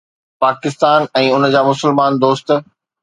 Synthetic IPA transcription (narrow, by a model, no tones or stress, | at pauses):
paːkɪst̪aːnɛ̃ːʊn̆d͡ʑaːmʊsəlmaːnd̪oːst̪